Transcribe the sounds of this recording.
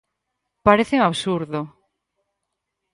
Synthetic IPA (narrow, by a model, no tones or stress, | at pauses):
paɾeθeŋaβsuɾðo